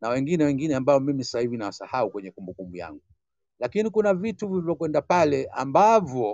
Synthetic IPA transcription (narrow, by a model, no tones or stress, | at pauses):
nawɛŋɡinɛwɛŋɡinɛambaɔmimisḁsahivinawasahaukwɛɲɛkumbukumbuja̰ŋɡu | lakinikunavituvivɔkwɛndapalɛʔambavjɔ